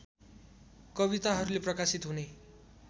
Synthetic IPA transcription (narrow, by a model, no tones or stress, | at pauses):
kʌβit̪aɦʌɾuleprʌkasit̪ɦune